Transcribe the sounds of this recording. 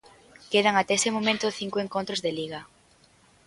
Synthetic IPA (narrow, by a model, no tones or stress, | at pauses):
keð̞aŋat̪ɛesemomẽnt̪oθiŋkoeŋkont̪ɾozðeliɣ̞ɐ